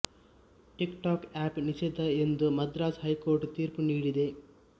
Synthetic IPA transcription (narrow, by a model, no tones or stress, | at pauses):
ʈikʈaːkaːpnisɛd̪ɐend̪umɐd̪ɾaːd͡ʒhɐjkoːɾʈt̪iːɾpuniːɽid̪e